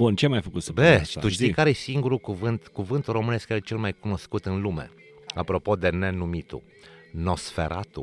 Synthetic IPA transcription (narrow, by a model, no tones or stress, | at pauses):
bunt͡ʃemajfəkut̪səbe̥t̪uʃt̪ikaɾesiŋɡuɾukuvɨnt̪kuvɨnt̪uro̞mɨne̞skjaɾet͡ʃe̞lmajkuno̞skut̪ɨnlume̞̰ | apɾo̞po̞d̪e̞ne̞numit̪ṵ | no̞sfe̞̰ɾa̰t̪ṵ